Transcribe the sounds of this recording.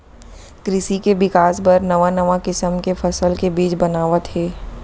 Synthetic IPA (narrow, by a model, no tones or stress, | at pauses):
kɾɪsikebɪkaːspɐɾnɐʋanɐʋãkɪsəmkefɐsəlkebiːt͡ʃbɐnaːʋət̪ɦɛː